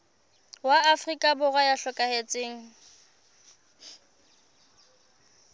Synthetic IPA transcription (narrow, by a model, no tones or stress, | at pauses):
waːfrikʼabʊrwajaɬɔkʼahet͡sʼeːŋ̩